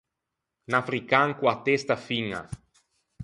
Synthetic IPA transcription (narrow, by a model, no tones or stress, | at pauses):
nafɾikaŋkwat̪est̪afiŋa̰